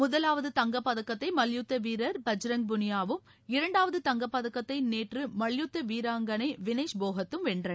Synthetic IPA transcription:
mʊðɐlaːʋɐðɯt̪ɐŋɡɐpːɐðɐkːɐt̪ːɐɪmɐɭjut̪ːɐʋiːɾɐɾpɐd͡ʒɾɐŋ̚bʊnɪjaːʋɯm | ɪɾɐɳɖaːʋɐðɯt̪ɐŋɡɐpːɐðɐkːɐt̪ːɐɪneːʈrɯmɐɭjut̪ːɐʋiːɾaːŋɡɐnɐɪʋɪneːʂboːɣɐt̪ːɯmʋɛɳɖrɐn

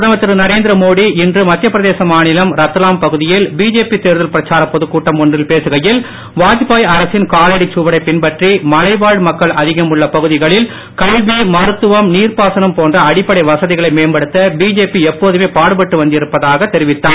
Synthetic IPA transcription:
ðɐmɐt̪ːɪɾɯnɐɾeːnd̪ɪɾɐmoːɽiɪndrɯmɐt̪ːjɐpːɪɾɐðeːsɐmaːnɪlɐmɾɐt̪ːɐlaːmpɐɣɯðɪjɪlbiːd͡ʒeːpit̪eːɾðɐlpɪɾɐt͡ʃːaːɾɐpːɔðɯkːuːʈːɐmɔɳdrɪlpeːsɯɣɐjɪl | ʋaːðɪpaːjɐɾɐsɪnkaːleːɽit͡ʃuʋɐɽɐɪpːɪnpɐʈrimɐlɐɪʋaːɻɽmɐkːɐɭʔɐðɪɣɐmɯɭːɐpɐɣɯðɪɣɐɭɪl | kɐlʋimɐɾɯt̪ːɯʋɐmniːrpaːsɐnɐmpoːndrɐɐɽɪpːɐɽɐɪʋɐsɐðɪɣɐɭɐɪmeːnbɐɽɯt̪ːɐbiːd͡ʒeːpiɛpːoːðɯmeːpaːɽɯpɐʈːɯʋɐnd̪ɪɪɾɯpːɐðaːɣɐt̪ːɛɾɪʋɪt̪ːaː

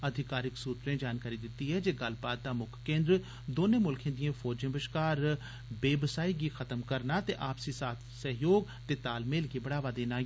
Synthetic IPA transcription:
əd̪ʱɪkaːɾɪksuːt̪ɾẽːd͡ʒaːnkaːɾiːd̪ɪt̪ːiːɦɛːd͡ʒeːɡəlbaːt̪̚d̪aːmʊkʰkẽːnd̪ɾ | d̪oːneːmʊlkʰẽːd̪ĩjãːfʰɔːd͡ʒẽːbəʃkaːɾ | beːbəsaːiːɡiːxʰət̪əmkəɾnaːt̪eːʔaːpsiːsaːt̪ʰsəɦjoːɡ̚ | t̪eːt̪aːlmeːlɡiːbəɽaːʋaːd̪eːnaː

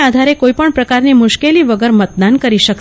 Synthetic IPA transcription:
ad̪ʱaɾekoipəɳpɾəkaɾnimʊʃkeliʋəɡəɾmət̪̚d̪ankəɾiʃək

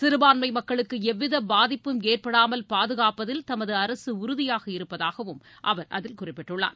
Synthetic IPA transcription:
sɪɾɯbaːnmɐɪmɐkːɐɭɯkːɯɛʋːɪðɐbaːðɪpːɯmeːrpɐɽaːmɐlpaːðɯɣaːpɐðɪlt̪ɐmɐðɯɐɾɐsɯʊɾʊðɪjaːɣɐɪɾɯpːɐðaːɣɐʋɯm | ʔɐ̰ʋɐɾʔɐ̰ðɪlkʊrɪpːɪʈːɯɭːa̰ːɾ

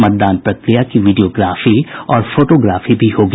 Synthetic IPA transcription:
mət̪̚d̪aːnpɾɐkɾijakiʋɪɖijoːɡɾaːfiɔːɾfoːʈoːɡɾaːfibʱihoːɡ

